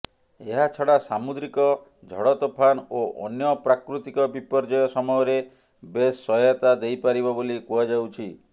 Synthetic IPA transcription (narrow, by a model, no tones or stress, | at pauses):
eɦat͡ʃʰɔɽasamud̪ɾikɔ | d͡ʒʱɔɽɔt̪ɔpʰanoʔɔ̰njɔpɾakɾut̪ikɔbipɔɾd͡ʒɔjɔsɔmɔɦɔɾe | besːɔɔt̪ad̪ejpaɾibɔbolikuad͡ʒawt͡ʃʰi